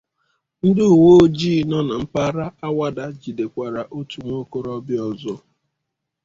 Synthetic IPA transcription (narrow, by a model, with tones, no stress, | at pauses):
n̩˦dɪ˦u˨wo˦d͡ʒiː˦˨nɔ˦na˨m̩˦pa˦ɾa˦a˦wa˦da˦d͡ʒi˨de˨kʷa˨ɾa˨ʔo˦tu˨ŋʷo˦ko˦ɾɔ˦bjɔ˨zɔ˦